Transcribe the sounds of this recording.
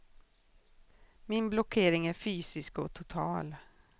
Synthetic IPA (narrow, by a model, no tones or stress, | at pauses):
mɪnblɔkʰeːɾɪŋæɾfyːsɪskɔt̪ʰʊt̪ʰɑ̰ːl